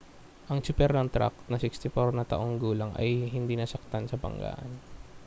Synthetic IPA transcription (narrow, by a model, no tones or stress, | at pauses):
ʔɐŋt͡ʃʊpɛɾnɐŋt̪ɾa̰k̚t̪nɐsɪkst̪ɪfoɾnɐt̪ɐ̰ʔo̞ŋɡuːlɐŋɐ̰jɦɪnd̪iːnɐsɐk̚t̪ansɐpɐ̰ŋɡa̰ːʔɐn